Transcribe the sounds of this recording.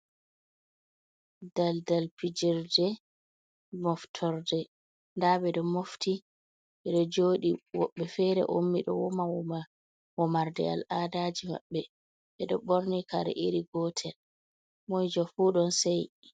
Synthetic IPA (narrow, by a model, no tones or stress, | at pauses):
daldalpid͡ʒiɾdɛ | mɔftʰɔɾdɛ | ndaɓɛɗɔmofti | ɓɛɗɔd͡ʒoːɗiwɔ̰ɓːɛfɛɾɛ̰ʔomːiɗɔ̰wɔma | wɔmaɾdɛ̰a̰lʔaːdaːd͡ʒima̰ɓːɛ | ɓɛɗɔ̰ɓoɾnikaɾɛ̰ʔiɾiɡɔtʰɛl | mɔjd͡ʒɔfuːɗɔnsaj